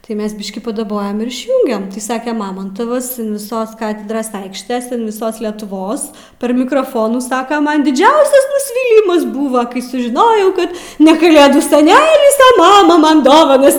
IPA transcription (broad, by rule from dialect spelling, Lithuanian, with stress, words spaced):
tɐɪ ˈmʲɛs ˈbʲɪʃʲkʲiː pɐdɐˈboːjɛm ɪr ɪʃʲˈjuːŋʲɡʲɛm tɐɪ ˈsɑːkʲɛ ˈmɑːmɐntɐʋɐs ɐn ʋʲɪˈsoːs ˈkɑːtʲɛdroːs ˈɐɪkʃʲtʲeːs ɐn ʋʲɪˈsoːs lʲɛtʊˈʋoːs pʲɛr mʲɪkroːˈfoːnuː ˈsɑːkɐ ˈmɐn dʲɪˈd͡ʒʲɛʊsʲɛs nʊsʲˈʋʲiːlʲɪmɐs ˈbʊʋɐ kɐɪ sʊʒʲɪˈnoːjɛʊ ˈkɐt nʲɛ kɐˈlʲeːduː sʲɛˈnʲæːlʲɪs ɐ ˈmɑːmɐ ˈmɐn ˈdoːʋɐnɐs